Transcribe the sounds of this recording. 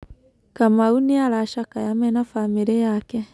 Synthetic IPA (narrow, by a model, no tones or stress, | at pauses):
kamauniaɾaʃakajamɛnafameɾejakɛ